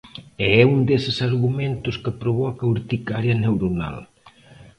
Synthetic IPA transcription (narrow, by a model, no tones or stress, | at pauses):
ɛɛund̪esɪsaɾɣumẽnt̪ʊskəpɾoβɔkɐuɾt̪ikaɾjɐnewɾuna̰l